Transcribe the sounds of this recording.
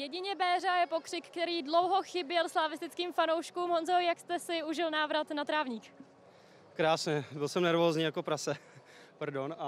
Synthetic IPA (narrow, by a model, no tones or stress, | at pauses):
jɛɟɪɲɛbɛːrajɛpo̞kr̥ɪkkːt̪ɛɾiːdlo̞wɦo̞xɪbjɛlslaːvɪst̪ɪt͡skiːmfanowʃkuːmɦonzɛojakst̪ɛsɪuʒɪlnaːvɾat̪nat̪ɾaːvɲiːk | kɾaːsɲɛbɪlsɛmnɛɾvoːzɲiːjakopɾasɛ | paɾdona